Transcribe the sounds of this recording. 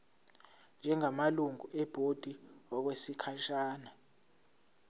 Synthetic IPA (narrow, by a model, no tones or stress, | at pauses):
nd͡ʒʱɛŋamaluŋuɛb̥ʱod̥ʱiwak̬wesikʰaʃaːna